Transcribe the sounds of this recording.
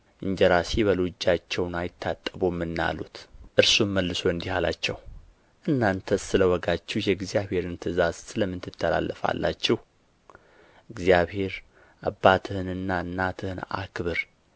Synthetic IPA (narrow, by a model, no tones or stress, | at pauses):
ʔɨɲd͡ʒɛɾasiβəlod͡ʒːat͡ʃːɛwnajɪt̪ʰːat̪ʼːəbomːɨnːa̰lut̪ʔɨɾsumməlːɨso̞ɨnd̪ihalat͡ʃːɛw | ʔɨnːant̪ʰəsɨləwɔɡat͡ʃːɛhjɛɡzijaβhe̞ɾɨnt̪ʰɨzaz̥sɨləmːɨnt̪ʰɨt̪ʰːəla̰lːʔəfa̰lːa̰t͡ʃːɛh | ɨɡzijaβhe̞ɾ | abːat̪ʰɨhɨnɨnːaɨnːat̪ʰɨhɨna̰kʰβɨɾ